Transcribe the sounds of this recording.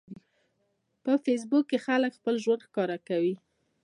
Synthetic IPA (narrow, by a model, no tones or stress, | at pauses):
pəfes̬bukːexaləkxpəlʒwand̪xkɑɾakawi